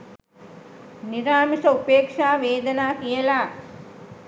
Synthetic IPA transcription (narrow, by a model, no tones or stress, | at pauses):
niɾaːmisɐupeːkʂaːʋeːd̪ɐnaːkijɐlaː